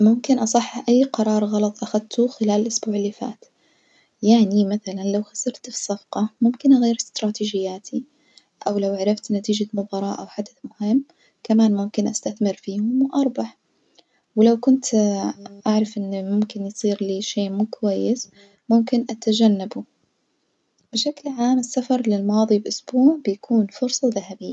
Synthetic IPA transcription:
mʊmkɪnʔɑsˤɨħːʔajːqɑɾˤɑːɾˤɣɑlɑt̪ˤʔaxad̪̚t̪ʰuxɪlaːlɪlʔʊsbuːʕɪlːifa̰ːt̪ | jaʕnimaθalanlawxḁsɑɾˤt̪fi̥sˤːɑfqɑmʊmkɪnɣaːɾɪst̪ɾˤɑːt̪iːd͡ʒɪjːaːt̪ʰi | ʔawlawʔaʕɾˤɑft̪nat̪iːd͡ʒamʊbɑːɾˤɑːʔawħad̪aθmʊhɪmː | kamaːnmʊmkɪnʔast̪aθmɪɾfiːhʊmwʔɑɾˤbɑħ | wɪlawkʊnt̪ | ʔaʕɾˤɑfʔɪnːimʊmkɪnjsˤiːɾliːʃeːmuːkwajːɪs | mʊmkɪnʔat̪ad͡ʒanːabu | b̥ɪʃaklʕaːmɪsːafɑɾˤlɪlmɑːðˤibʔʊsb̥uːʕbɪjakʰuːnfʊɾsˤɑðahabɪjːa

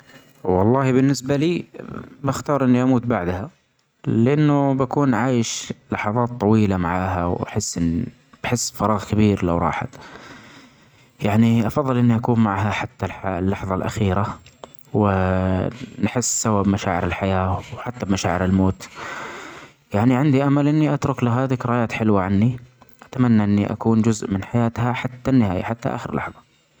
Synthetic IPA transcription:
wɑlˤːɑːhibɪnːɪsbaliːbaxt̪ɑːɾˤʔɪnːiʔamuːt̪baʕd̪ha | lɪʔanːʊbakuːnʕaːjɪʃlɑħɑðˤɑːt̪ˤːɑwiːlamaʕaːɦawa̰ħɪsːʔɪnː | b̥ħɪsːfɑɾˤɑːɣkabiːɾla̰wɾˤɑ̰ːħa̰t̪ | jaʕniʔɑfɑðˤːɨlʔɪnːiʔakuːmmaʕɦaħat̪ːalħlːɑħðˤɑlʔa̰xiːɾa | wɪ | nħɪsːababmaʃaːʕɪɾɪlħajaːwħat̪ːabmaʃaːʕɪɾɪlmoːt̪ | jaʕniʕɪnd̪iʔamalʔɪnːiʔat̪ɾˤʊklaɦaːðɪkɾˤɑjaːt̪ħɪlwaʕanːiʔat̪amanːaʔɪnːiʔa̰kuːnd͡ʒʊzʔmɪnħajaːt̪haħat̪ːanːɪhaːja̰ħat̪ːa̰ʔa̰ːxɪɾlʔɑ̰ħðˤɑ

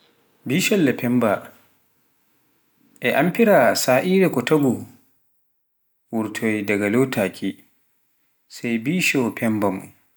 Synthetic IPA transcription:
biːʃɔlːɛpʰɛmba | ʔɛʔampiɾasaːʔiːɾɛkɔtabu | wuɾtʰɔjdaɡalotʰakʰʲi | sajbiːʃɔpʰɛmbamu

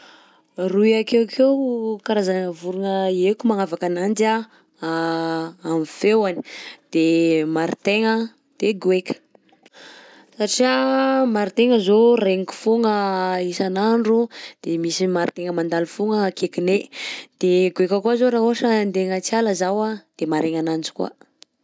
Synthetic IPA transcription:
rujakekʰewkaɾazanəvuɾunəekumaŋavakanand͡ʒa | amifewani̥d̪̥emaɾit̪eŋə | d̪̥eɡwekʲə̥ | saʈ͡ʂiamaɾit̪eŋəzoreŋiku̥foŋəisanaɳɖ͡ʐud̪̥emisimaɾt̪eŋəmand̪alifoŋəkekined̪̥eɡwekəkuazoɾaɦoaʃənd̪eŋət͡sialazawad̪̥emaɾeŋanand͡ʒi̥kwa̰

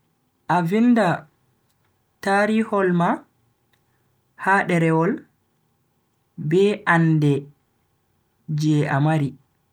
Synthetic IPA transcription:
ʔavinda | taɾihɔlma | haɗɛɾɛwɔl | bɛʔandɛ | d͡ʒɛʔamaɾi

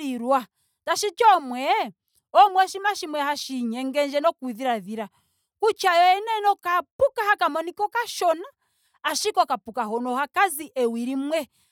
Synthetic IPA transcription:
iɾwa | taʃit͡ʃɔmwɛ | ɔmwɛʃimaʃimwɛhaʃiɲɛŋɡɛɲd͡ʒɛnɔkuiðiɾaðiɾa | kut͡ʃajɔɛnɛnɔkapukahakamɔnikɔkaʃɔnaː | ʃikɔkapukaɦɔnɔhakaziʔɛwiɾimwɛ

